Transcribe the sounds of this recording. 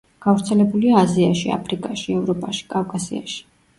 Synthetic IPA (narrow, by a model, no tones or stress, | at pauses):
ɡ̥avɾt̪sʰɛlɛbuliaːziaʃia̰pʰɾikʼaʃiɛvɾɔpʼaʃi̥kʼavkʼasḭa̰ʃi̥